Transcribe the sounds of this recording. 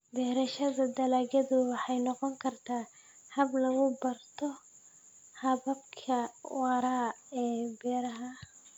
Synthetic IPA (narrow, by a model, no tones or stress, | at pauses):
bɛːɾɐʃɐðɐd̪ɐlaːɣɐðʊwɑħɑjnɔqɔŋkʰɐrt̪ʰaː | hɐblɐɣʊbɐrt̪ʰɔ | hɐβɐb̚kʰɐwɑɾaːɛːbɛːɾɐɦɐ